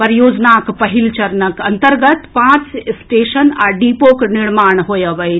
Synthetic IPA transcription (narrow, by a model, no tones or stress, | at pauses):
pəɾjoːd͡ʒnakpɐɦilt͡ʃɐɾnəkɐnt̪əɾɡət̪pãːt͡ʃsʈeːʃənaɖipokniɽmaːɳɦojəʋəj